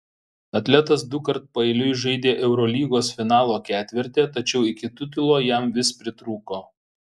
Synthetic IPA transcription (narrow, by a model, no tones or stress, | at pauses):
ɐt̪ʲlʲɛt̪ɐs̬d̪ʊkɐɾt̪̚pɐɛɪlʲʊɪʒɐɪd̪ʲeːʔɛʊɾɔlʲiːɡoːsfʲɪnɑːlˠoːkʲæːt̪ʲʋʲɪɾʲt̪ʲeːt̪ɐt͡ʃʲɛʊɪkʲɪt̪ʊt̪ʲɪlˠoːjɛmʋʲɪspʲɾʲɪt̪ɾuːkoː